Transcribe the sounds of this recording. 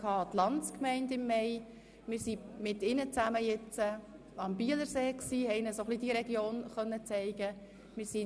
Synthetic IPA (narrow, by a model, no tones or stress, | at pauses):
kʰɑːtlɑntt͡skmɛɪndɪmːɛɪ | mɪːɾsimɪtɪnət͡sæməjɪt͡sə | ɑmb̥iələɾseːksiːhɛɪnəsoχlid̥iɾɛɡjoːnχœnːət͡sɛɪɡ̥ə | mɪɾsi